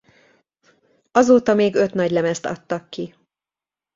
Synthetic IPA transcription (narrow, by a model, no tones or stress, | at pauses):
ɒzoːt̪ɒmeːɡø̞t̪nɒɟlɛmɛst̪ɒ̰t̪ːɒkːi